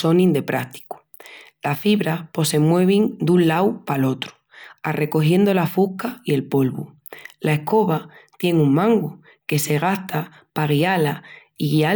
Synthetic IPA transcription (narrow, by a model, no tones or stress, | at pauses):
o̞nĩnd̪e̞pɾaht̪i̥ku̥ | lasfiβɾapo̞se̞mwe̞β̞iŋd̪unlawpalo̞t̪ɾu̥ | are̞ko̞hje̞nd̪o̞lafuhkaie̞lpo̞lβṵ | lae̞hko̞βat̪je̞ŋuŋmãŋɡu | ke̞se̞ɣ̞ast̪ʰa | paɣiala | iɣia